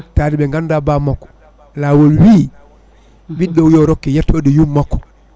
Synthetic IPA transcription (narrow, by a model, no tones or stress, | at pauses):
taːdiɓɛŋɡandabamakːɔ̥ | laːwolwiː | ɓiɗːɔwjɔɾɔkːɛjatːodijumːakːɔ̥